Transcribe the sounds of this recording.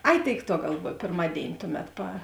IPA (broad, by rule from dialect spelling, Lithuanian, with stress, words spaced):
ˈɐɪ ˈtʲeːɪk ˈtuɔ ɡɐlˠˈʋuɔj pʲeːrˈmɑːdʲeːɪnʲɪ ˈtʊˌmʲɛt pɐ